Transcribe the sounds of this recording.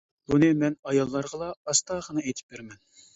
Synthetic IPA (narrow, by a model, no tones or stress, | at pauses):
bunɨmɛnɑjɑlˠːɑɾʁəlˠɑɑst̪ɑːχənɨejt̪ʰɪ̥p̚beɾmɛn